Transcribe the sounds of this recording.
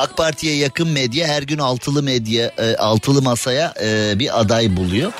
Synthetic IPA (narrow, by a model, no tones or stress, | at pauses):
ak̚pʰaɾt̪ʰijɛjakʰɯnmɛd̪jɛɦæɾɟynalˠt̪ʰɯlˠɯmɛd̪jɛalˠt̪ʰɯlˠɯmasajabiʔad̪ajbulˠujo